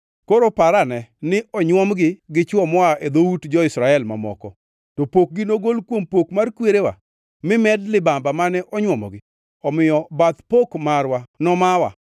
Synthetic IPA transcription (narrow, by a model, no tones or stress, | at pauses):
koɾopaɾanɛnɪʔɔɲwɔmɡɪɡɪt͡ʃwɔmɔaed̪outd͡ʒɔɪsɾaɛlma̰mɔ̰kɔ | topok̚ɡɪnoɡolkwompokmarkweɾewa̰ | mɪmɛdlɪbambamanɛʔɔɲwɔmɔ̰ɡɪ | ɔmɪjɔbat̪pokmarwanɔmawa̰